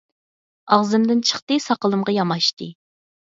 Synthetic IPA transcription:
ɑʁzɨmd̪ɪnt͡ʃʰə̥χt̪ɨsɑqəlˠɨmʁɑjɑmɑʃt̪ɨ

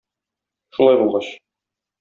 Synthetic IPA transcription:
ʃulˠɑjbulˠʁɑɕ

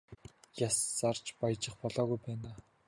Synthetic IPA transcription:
jasːart͡ɕpajt͡ɕɪ̆χpɔɮɔːɣujpæːnaː

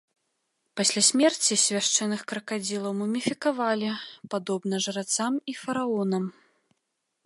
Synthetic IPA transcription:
pasʲlʲasʲmʲɛrt͡sʲisʲvʲaʂt͡ʂɛnɨxkɾɐkad͡zʲilˠɐwmumʲifʲikavalʲipad̪ɔbnɐʐɐɾat̪samifɐɾaɔnɐm

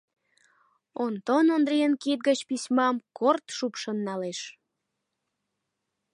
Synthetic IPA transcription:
ont̪onond̪ɾiənkit̪̚ɡət͡ɕpisʲmɑmkort̪ʃupʃənːɑleʃ

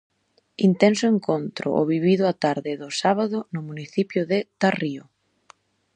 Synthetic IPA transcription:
int̪ɛnsʊeŋkont̪ɾʊ̰ʔo̰βiβiðʊat̪aɾðɪðʊsaβaðʊnʊmuniθipjʊðɪt̪ariʊ

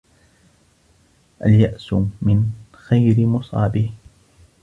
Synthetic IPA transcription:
ʔaljaʔsʊmɪn | xajɾɪmʊsˤɑ̰ːbɪh

